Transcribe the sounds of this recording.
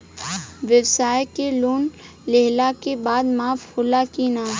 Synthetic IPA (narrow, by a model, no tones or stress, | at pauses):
ʋəwsaːjkeluːn | leɦlakebaːd̪maːfhʊlakiːnaː